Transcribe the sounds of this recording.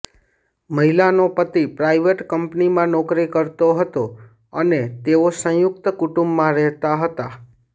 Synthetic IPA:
məɦilanopət̪ipɾaiʋeʈkəmpnimãnɔkɾikəɾt̪oɦət̪o | ənet̪eosə̃jʊk̚t̪əkuʈũmbmãɾɛɦt̪aɦət̪a

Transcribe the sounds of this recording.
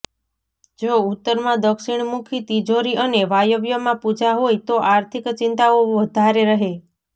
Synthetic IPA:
d͡ʒout̪ːəɾmãd̪əkʃiɳ̃mukʰit̪id͡ʒoɾiʔəneʋajəʋjəmãpud͡ʒaɦojt̪oʔaɾt̪ʰikt͡ʃint̪aoʋəd̪ʱaɾeɾəɦe

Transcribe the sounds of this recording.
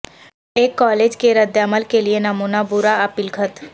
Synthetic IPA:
eːkːɔːleːd͡ʒkeɾəd̪jəməlkelienɐmuːnabʊɾaɐpɪlɡʱət̪

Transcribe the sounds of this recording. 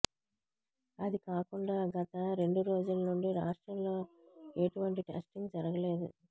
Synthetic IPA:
ɐd̪ikaːkuɳɖaːɡɐt̪ɐɾe̞ɳɖuɾo̞ːd͡ʒulɐnuɳɖiɾaːʂʈɾɐmloː | eʈuʋɐɳʈiʈḛːsʈiŋɡd͡ʒɐɾɐɡɐle̞ːd̪u

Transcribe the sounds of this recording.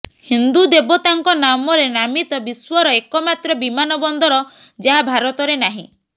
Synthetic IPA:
hind̪ud̪ebɔt̪aŋkɔnamɔɾenamit̪ɔbiswɔɾɔekɔmat̪ɾɔbimanɔbɔnd̪ɔɾɔ | d͡ʒaɦabʱaɾɔt̪ɔɾenaɦḭ̃

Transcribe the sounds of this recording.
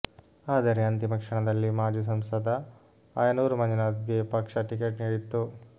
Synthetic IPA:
aːd̪ɐɾeɐnt̪imɐkʂɐɳɐd̪ɐlːimaːd͡ʒus̬ɐmsɐd̪ʱɐ | aːjɐnuːɾumɐnd͡ʒinaːd̪ɡepɐkʂɐʈikeʈniːɽit̪ːu

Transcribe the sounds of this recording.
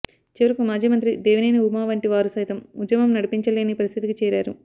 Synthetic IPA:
t͡ʃiʋɐɾɐkumaːd͡ʒiːmɐnt̪ɾid̪eːʋinejniumaːʋɐɳʈiʋaːɾusɐjt̪ɐmud̪jɐmɐmnɐɽipiɲt͡ʃɐleɐnipɐɾist̪ʰit̪ikit͡ʃɛːɾaːɾṵ

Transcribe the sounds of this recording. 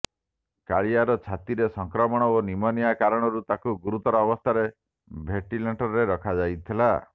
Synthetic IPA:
kaɭiaɾɔt͡ʃʰat̪iɾesɔŋkɾɔmɔɽ̃ɔonimɔniakaɾɔɽ̃ɔɾut̪akuɡuɾut̪ɔɾɔːbɔst̪ʰaɾe | bʱeʈilaɳʈɔɾeɾɔkʰad͡ʒajt̪ʰila

